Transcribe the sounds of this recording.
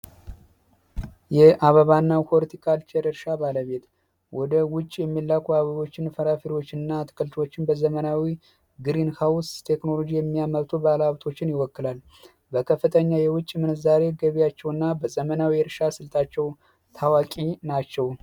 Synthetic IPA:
jɛʔaβəβanːawholt̪ʰikʰalt͡ʃʰeɾɨɾʃabaləβe̞t̪ | wʔɔd̪əwʊt͡ʃʼːjɛmːilːakuaβəβo̞t͡ʃːɪnfəɾafiɾot͡ʃːɪnːat̪ʰɨ̥kʰʼɨlt̪ʰwot͡ʃːɪnbəzəmənawi | ɡɨɾinhawst̪ʰe̞kno̞lo̞d͡ʒijɛmːijaməβt̪ʰubəalaβt̪ʰo̞t͡ʃːɪnjɪwɔkːɨlal | bəkʰəfːɨt̪ʰəɲːajɛwʊt͡ʃʼːmɨnzaɾe̞ɡəβijat͡ʃːɛwɨnːabəzəmənawiɾʃasɨlt̪ʼʰat͡ʃːɛw | t̪ʰawakʼinat͡ʃːɛw

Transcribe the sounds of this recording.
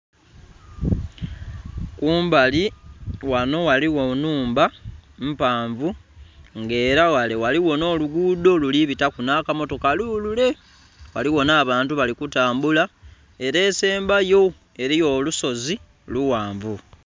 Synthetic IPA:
kuːmbaliwano̞waliwo̞nuːmbam̩paːɱvuŋɡe̞ːɾawale̞waliwo̞no̞ːluɡuːdo̞luliβitakunakamo̞to̞kaluːlule̞ | waliwo̞naːβaːntuβalikutaːmbula | e̞ɾe̞ːse̞ːmbajo̞ | e̞ɾijo̞luso̞zi | luwaːɱvu

